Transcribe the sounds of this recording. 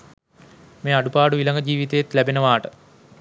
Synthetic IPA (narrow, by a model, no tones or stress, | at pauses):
meːaɖupaːɖuʋilaŋɡəd͡ʑiːʋit̪eet̪læbenəʋaːʈə